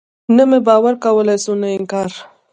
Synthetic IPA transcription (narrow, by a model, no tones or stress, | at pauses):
namebɑwaɾkawəlajsunaɪŋkɑɾ